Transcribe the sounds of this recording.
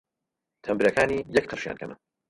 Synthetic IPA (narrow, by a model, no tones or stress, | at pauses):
t̪ʰɐmbɨɾɐkʰaːniːjɛk̚qʰəɾʃja̰ːnkʰɐ̰mɨ̰n